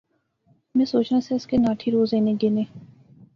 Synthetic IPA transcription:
mɛ̃ːsoːt͡ʃnãseɪskenaːʈʰiɾoːzẽːnẽɡeːneː

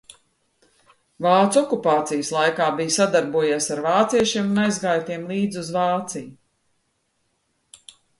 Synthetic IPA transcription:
vaːt̪sɔkupaːt̪sijslˠajkaːbijsad̪aɾbuɔjeːsaɾvaːt̪siɛʃiɛmunajzɡaːjt̪iɛmlˠiːd̪zʲuzvaːt̪siju

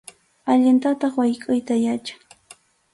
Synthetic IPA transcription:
aʎɪnt̪at̪ɑχwajkʼʊjt̪ajat͡ʃḁŋ

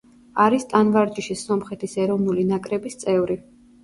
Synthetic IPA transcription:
aɾist̪ʼanvaɾd͡ʒiʃisɔmχɛt̪ʰisɛɾɔvnulinakʼɾɛbist̪sʼɛvɾi

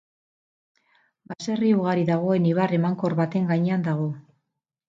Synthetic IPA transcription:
base̞riuɣaɾiðaɣ̞o̞e̞niβ̞are̞maŋko̞ɾβat̪e̞ŋɡaɲe̞and̪aɣ̞o̞

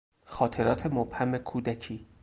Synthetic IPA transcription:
xɒːt̪ʰe̞ɾɒːt̪ʰemob̥hæmekʰuːd̪æcʰiː

